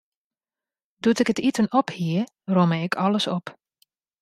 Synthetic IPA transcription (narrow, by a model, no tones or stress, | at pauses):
dutɪkətitənɔphiə | roməɪkʰɔləsɔp